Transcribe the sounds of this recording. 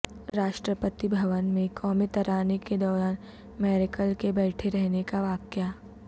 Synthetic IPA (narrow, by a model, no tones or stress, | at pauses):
ɾaːʃʈɾəpət̪ibʱɐʋənmẽkʰɔːmet̪ɐɾaːneked̪ɔːɾaːn | mɛːɾɪkəlkebɛːʈʰeɾɛɦnekaʋaːkja